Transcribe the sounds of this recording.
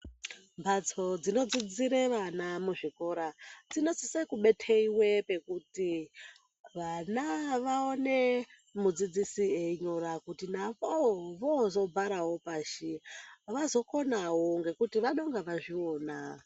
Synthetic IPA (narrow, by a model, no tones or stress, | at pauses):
mbʱat͡sod͡zino̞d͡zid͡ziɾeʋanamuʐiko̞ɾad͡zino̞t͡sisekuɓe̞tʰeiwe̞pe̞kuti | ʋanaʋaone | mud͡zid͡zisieiɲoɾakutinaʋoʋozo̞bʱaɾaɦo̞paːʃiʋazo̞ko̞naɦoŋɡe̞kutiʋaɗo̞ŋɡaʋaʐio̞ːna